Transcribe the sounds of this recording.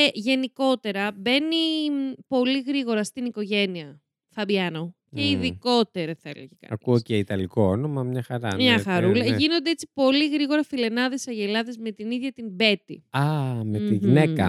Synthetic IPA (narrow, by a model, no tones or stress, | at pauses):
eʝe̞niko̞t̪e̞ɾɐbe̞nipo̞liɣɾiɣo̞ɾɐst̪iniko̞ʝe̞niɐ | θɐbjɐno̞ | eiðiko̞t̪e̞ɾɐθɐḛlḛʝekɐ̰ɐk̪uoceit̪ɐliko̞onomɐmɲɐxɐɾɐ̰mɲɐxɐɾulɐʝino̞nd̪eet͡si̥po̞liɣɾiɣo̞ɾɐfile̞nɐðe̞sɐʝelɐðezme̞t̪iniðʝɐt̪imbe̞t̪iɐmet̪iʝinekɐ